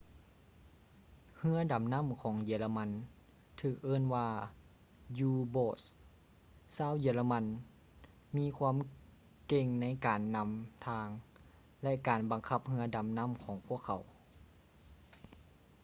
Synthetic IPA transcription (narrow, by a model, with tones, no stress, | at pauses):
hɯ˧˥ɐda˨˦mna˧˥˨mkʰɔː˨˦ŋjiː˨˧˦la˧ma˧˥n | t̪ʰɯː˧˩k̚ʔɤː˧˥˨nwaː˧ | juː˧boː˧˩s | saː˧˥˨wjiː˧˩˦la˧ma˧˥n | miː˧˥˨kʰwa˧˥˨m | ke˧˩ŋna˧˥˨jkaː˨nːa˧˥mt̪ʰaː˧ŋ | lɛ˧ʔkaː˨˩nba˨˩ŋkʰa˧˩p̚hɯ˧˥ɐda˨˩mna˧˥˨mkʰɔː˨˦ŋpʰu˥˩əkʰːa˨˩˦w